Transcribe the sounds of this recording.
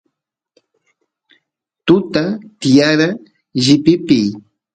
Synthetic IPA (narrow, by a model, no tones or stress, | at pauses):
t̪ʊt̪at̪ɪjaɾa | ʒɪpɪpɪj